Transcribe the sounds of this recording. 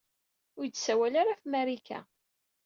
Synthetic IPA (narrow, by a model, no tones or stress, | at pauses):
ʊɾt͡sːsæwælaɾafmæɾikæ̰